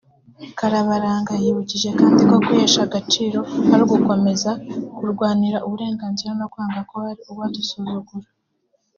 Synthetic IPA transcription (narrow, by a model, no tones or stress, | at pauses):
kaɾaβaɾaːŋɡajiβuciʒe̞kaːndiko̞kueʃaɡat͡ʃiːɾo̞haɾuɡuko̞me̞zakuɾɡwaːniɾaʔuβuɾe̞ːŋɡaːnziɾanokwaːŋɡakohaɾiuβwaːtusuzuɡuɾa